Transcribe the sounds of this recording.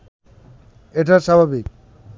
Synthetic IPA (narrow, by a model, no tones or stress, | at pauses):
eʈaʃabʱabik